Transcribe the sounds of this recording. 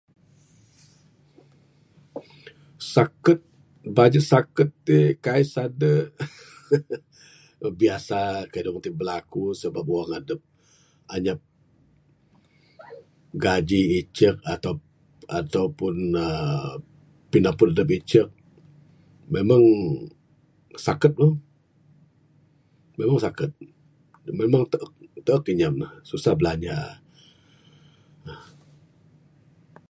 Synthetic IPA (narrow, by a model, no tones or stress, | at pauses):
sakət̪̚ | bad͡ʒət̪sakət̪ːikaisadə | biasakaidəpənt̪ɪŋ̚bəlakusəbap̚uwaŋadəp̚ | aɲap̚ | ɡad͡ʒiːt͡ʃək̚at̪a | at̪awpʊnə | pinapʊnadəp̬it͡ʃək̚ | memaŋ | sakət̪̚ləŋ | memaŋsakət̪̚ | memaŋt̪əʔək̚t̪əʔəkiɲamlahsusahbəlaɲa | h